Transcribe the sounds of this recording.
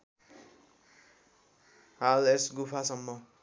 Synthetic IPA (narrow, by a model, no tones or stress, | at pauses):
ɦalesɡupʰasʌmːʌ